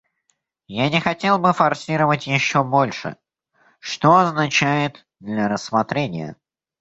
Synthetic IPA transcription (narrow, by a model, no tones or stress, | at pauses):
janʲɪxɐtʲe̞lˠbɨfɐrsʲiɾəvətʲjɪɕːo̞bo̞lʲʂɨ̰ | ʂt̪oɐznɐt͡ɕæjɪt̪ | d̪lʲəɾəsːmɐt̪ɾʲenʲɪjə̰